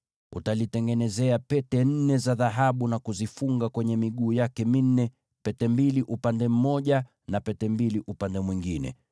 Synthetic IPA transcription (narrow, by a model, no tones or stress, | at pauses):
utalitɛŋɡɛnɛzɛapɛtɛn̩nɛzaðaɦaɓunakuzifuŋɡakwɛɲɛmiɠuːjakɛmin̩nɛ | pɛtɛmbiliʔupandɛm̩mɔʄa | napɛtɛmbiliʔupandɛmwiŋɡinɛ̰